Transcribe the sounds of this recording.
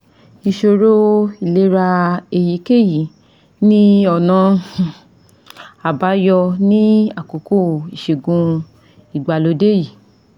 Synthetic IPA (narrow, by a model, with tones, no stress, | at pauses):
i˧ʃo˧ɾo˦i˨le˨˦ɾa˧e˧˨ji˨˦ke˦˨ji˨˦ | nĩ˦ɔ˨nã˨˧˦ | a˨ba˨˦jɔ˧nĩ˦a˦˨ko˨ko˦i˨ʃe˨ɡũ˧ | i˨ɡ͡ba˨lo˨˦de˦ji˨